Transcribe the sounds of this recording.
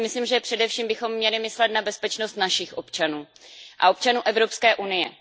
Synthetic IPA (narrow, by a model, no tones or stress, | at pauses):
mɪsliːmʒɛpr̝̥ɛdɛfʃiːmbɪxo̞mːɲɛlɪmɪslɛt̪nabɛspɛt͡ʃno̞st̪naʃɪxʔo̞pt͡ʃanuː | ʔa̰ʔo̞p̚t͡ʃanuːʔɛvɾo̞pskɛːʔunɪjɛ